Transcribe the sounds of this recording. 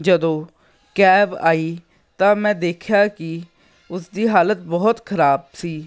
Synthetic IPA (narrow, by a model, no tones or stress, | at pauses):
d͡ʒəd̪õː | kɛːba̰ːiː | t̪ãːmɛ̃ːd̪eːkʰjaːkɪ | ʊsd̪iːɦaːlət̪̚bɔːt̪xʰəɾaːbsiː